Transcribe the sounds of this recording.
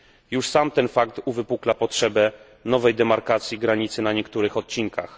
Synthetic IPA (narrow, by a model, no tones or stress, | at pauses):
juʂsamt̪ɛnfakt̪uvɘpuklapɔtʂɛbɛ | nɔvɛjd̪ɛmaɾkat̪sʲjiɡɾaɲit̪sɘnaɲɛkt̪uɾɘxɔt̪̚t͡ɕiŋkʰa̰x